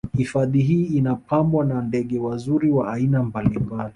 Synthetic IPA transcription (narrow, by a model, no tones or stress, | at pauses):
hifaðiɦiːnapambwanandɛɠɛwazuɾiwaːinambalimbali